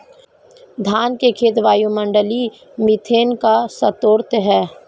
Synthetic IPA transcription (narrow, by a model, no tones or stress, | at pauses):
d̪ʱaːnkekʰeːt̪ʋaːjõmə̃ɳɖəli | mɪt̪ʰeːnkasət̪oːɾt̪ɦɛː